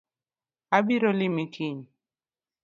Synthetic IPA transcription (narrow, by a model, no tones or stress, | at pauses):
abiɾolimikin